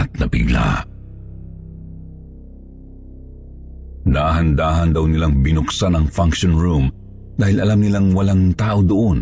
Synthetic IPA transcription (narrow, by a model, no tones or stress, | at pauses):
t̪̚nɐpɪ̰ɡla̰ | d̪aːɦɐnd̪aːɦɐnd̪ɐwnɪlaŋbɪnʊksanɐŋfaŋkʃonɹum | d̪aːhɪlʔɐlamnɪlaŋwɐlaŋt̪aːʔod̪oʔon